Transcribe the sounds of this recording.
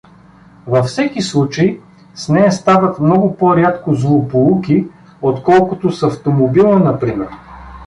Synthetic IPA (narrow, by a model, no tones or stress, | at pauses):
vɐfsɛkislˠut͡ʃəi | snɛjɐst̪avət̪mnɔɡʊpoɾʲat̪kozlˠopolˠuki | ot̪kɔlˠkʊt̪osɐft̪omobilˠənɐpɾimɛɾ